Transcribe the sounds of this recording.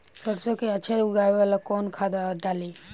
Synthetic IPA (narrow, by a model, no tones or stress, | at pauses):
səɾsokeɐt͡ʃʰaʊɡaːeʋalakoːnkʰaːd̪aɖaːli